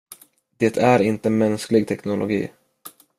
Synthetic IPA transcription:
d̪̥eːt̪ʰæɾɪnt̪əmɛnsklɪɡ̚t̪ʰɛknʊlʔʊ̰ɡḭː

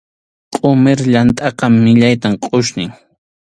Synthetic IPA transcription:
qʼʊmeɾʎant̪ʼɑqɑmːɪʎajt̪amqʼʊʃnɪŋ

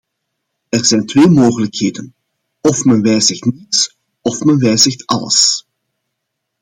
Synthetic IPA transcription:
ɛrz̥ɛjntʋeːmoːɣələkheːdən | ɔfmɛnʋɛjzəxtnits | ɔfmɛnʋɛjzəxtɑ̰lə̰s

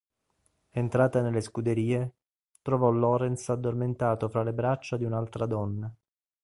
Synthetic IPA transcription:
ent̪ɾaːt̪anelːeskud̪eɾiːe | t̪ɾovɔlɔːɾensad̪ːorment̪aːt̪ofɾalebɾat͡ʃːad̪iunalt̪ɾad̪ɔnːa

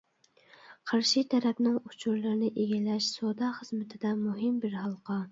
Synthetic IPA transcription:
qʰɑɾʃit̪ʰɛɾɛpnɪŋut͡ʃʰuɾlˠɨɾnɪʔeɡʲilɛʃsod̪ɑχəz̥mɪt̪ʰɪd̪ɛmuɦɨmbɪɾhɑlˠqɑ

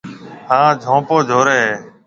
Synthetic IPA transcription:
hãːd͡ʒʱõːpoːd͡ʒʱoːɾeː

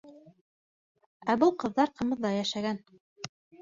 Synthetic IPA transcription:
æbɤlˠqɤ̆ðːɑɾqɤ̆mɤ̆ðːɑjæʃæɡæn

